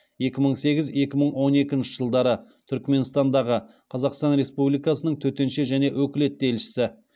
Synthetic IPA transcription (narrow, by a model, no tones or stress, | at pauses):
je̞kʲɪməɴse̞ɡʲɪze̞kʲɪməɴwo̞ne̞kʲɪnʃɪʒəlˠd̪ɑɾət̪ʰʏɾkme̞nst̪ɑnd̪ɑʁə | qʰɑzɑqst̪ɑnɾe̞spublijkɑsənəɴt̪ʰɵt̪e̞nʃe̞ʒæne̞wʔɵkʲɪle̞t̪̚d̪e̞lʃɪ̥sɪ